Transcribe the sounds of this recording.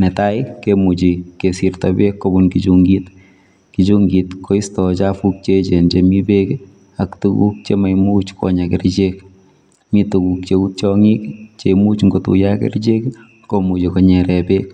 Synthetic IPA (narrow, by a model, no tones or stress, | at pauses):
nɛtaɪkːemut͡ʃikesirtabekːobunkid͡ʒuŋɡit | kit͡ʃuŋɡitkʰoistɔt͡ʃafuk̚t͡ʃet͡ʃend͡ʒemibek | aktukṵk̚t͡ʃemajmuːt͡ʃkʰɔ̰ɲakɛɾd͡ʒek | mituɡuk̚t͡ʃeut̚t͡ʃɔŋikt͡ʃemut͡ʃŋɡotṵjakɛ̰rd͡ʒek | komud͡ʒikɔɲɛɾɛbek